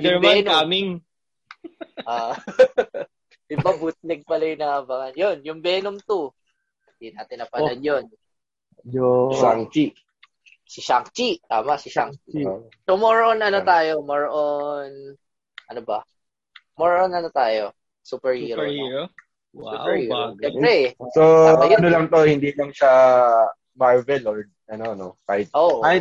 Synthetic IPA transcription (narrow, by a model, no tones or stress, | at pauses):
dɛmbɛnamiŋ | ʔa | ɪbɐbut̪̚lɛɡ̚pɐlɐjnɐbɐŋɐnjonjʊŋbɛnomt̪o | nd̪inaːt̪ɪnɐpɐlɐnjon | aŋt͡ʃi | sɪʃaŋt͡ʃit̪aːmɐsɪʃaŋt͡ʃi | somoɹʔonɐnot̪aːjo̞moɹʔon | ʔɐnobɐ | moɹʔonɐnot̪aːjo̞ | suːpɛɹhiːɾo | upɛɹhiːɾot͡ʃɛmɾɛsoajɐnolɐŋt̪o̞hɪnd̪ilɐŋʃa | maɹvɛloɹ | ɐnonokaːhɪt̪̚ʔoːʔa